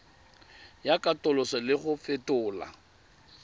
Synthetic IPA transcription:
jakʼatʼʊlʊsɔlɪχʊfɪtʊːla̰

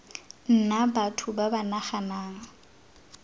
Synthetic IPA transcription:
n̩nabatʰʊbabanaχanaːŋ̩

